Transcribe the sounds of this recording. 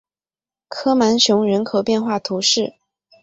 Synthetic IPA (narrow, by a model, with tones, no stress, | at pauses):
kʰɤ˥ma˧˥nɕjʊ˧˥ŋɻə˧˥nkʰo˨˩ʊpjɛ˥˧nxwa˥˩t̪ʰu˧˥ʂɻ̩˥˩